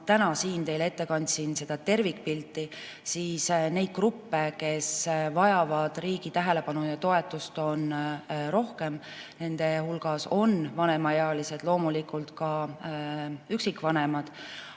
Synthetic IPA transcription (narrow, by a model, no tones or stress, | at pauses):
t̪ænɑsiːnt̪e̞jle̞t̪ːe̞kɑnʲd̪ʲsinse̞d̪̥ɑt̪e̞rvikpilt̪ːˑi | siːsne̞jd̪̚krupːe̞ke̞svɑjɑvɑd̪̥riːɡ̥it̪æɦe̞le̞pɑnujɑt̪o̞e̞t̪ːˑust̪o̞nro̞hke̞m | ne̞nd̪̥e̞hulɡ̥ɑso̞nvɑne̞mɑjeɑlise̞d̪̥lo̞ːmulikːˑult̪kɑ | yksikːˑvɑne̞mɑd̪̥